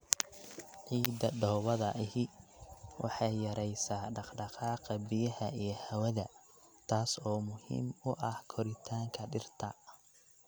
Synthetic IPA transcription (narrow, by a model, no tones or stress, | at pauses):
ʕiːd̪ɐɖɔːwɐðɐʔɪhɪ | wʔɑ̰ħɑjjɐɾɛjsaːɖɑqɖɑqɑːqɑbɪjɐhɐijɞhɐwɐðɐ | t̪ʰaːsɔːmʊhḭːmʊʔɐhkʰɔɾɪt̪ʰaːŋkʰɐɖɪrt̪ʰɐ